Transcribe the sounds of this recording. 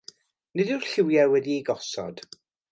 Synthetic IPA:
nɪdɪrɬɪwjawɛdiiɡɔsɔ̰d̥

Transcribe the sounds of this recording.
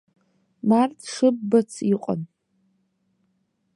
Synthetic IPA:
martʰʂɨbːat͡sʰiqʷʼa̰n

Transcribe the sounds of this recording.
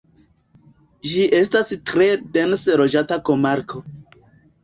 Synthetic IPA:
ʒiʔe̞stastɾe̞de̞nsɾo̞d͡ʒatako̞maɾkʰo̞

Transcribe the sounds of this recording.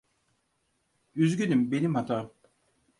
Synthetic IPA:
yzɟʲynymbenimhat̪ʰaːm

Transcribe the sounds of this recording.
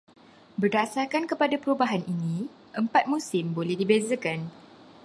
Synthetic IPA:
bərdasarkankəpadapəɾubaɦanʔinĩ | ʔəmpat̪̚mũsɪmbolɛhdibezakan

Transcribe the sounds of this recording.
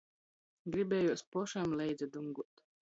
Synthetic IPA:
ɡɾibʲɛːjuɔspɔʃamlɛjd̪zɛad̪uŋɡuɔt̪

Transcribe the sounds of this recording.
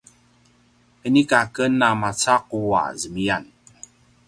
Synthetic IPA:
ənikakənːamat͡saqua̰zəmian

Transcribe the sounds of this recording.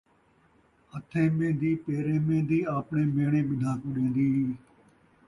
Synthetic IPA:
ət̪ʰẽːmẽːd̪iːpeːɾẽːmẽːd̪iːaːpɳeːmeːɽ̃ẽːɓɪd̪ʱãːkũːɗẽːnd̪iː

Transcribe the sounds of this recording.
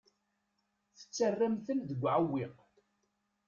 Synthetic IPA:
θə̥t͡sːərːamθənðəɡʷːʕawːiq

